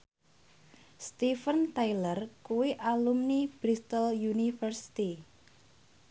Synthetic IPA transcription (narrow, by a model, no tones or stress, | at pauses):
st̪ifənt̪ajlərkuwiʔalumnib̥ɾist̪əljunifərsi̥t̪i